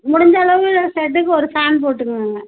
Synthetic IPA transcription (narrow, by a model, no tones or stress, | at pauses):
mʊɽɪɲd͡ʒɐɭɐʋɯɭɐsɛʈ̬ːɯkːɯɔɾɯfaːnp̬oːʈːɯkːaːŋɡɐ